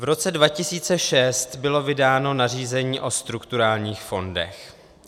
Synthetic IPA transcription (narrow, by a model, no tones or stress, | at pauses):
vɾo̞t͡sɛdvacɪsiːt͡sɛʃɛst̪bɪlo̞vɪdaːno̞nar̝iːzɛɲiːʔo̞st̪ɾukt̪uɾaːlɲiːxfo̞ndɛ̰x